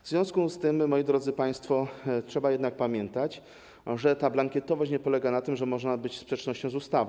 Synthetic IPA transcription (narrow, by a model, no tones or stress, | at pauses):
vzvʲjɔ̃skust̪ɘmːɔjid̪ɾɔd̪zɘpaj̃st̪fɔtʂɛbajɛd̪nak̚pamʲjɛnt̪at͡ɕ | ʐɛt̪ablaŋkʲɛt̪ɔvaɕt͡ɕɲɛpɔlɛɡanat̪ɘmʐɛmɔʐnabɘt͡ɕspʂɛt͡ʂnɔɕt͡ɕɔ̃w̃zust̪av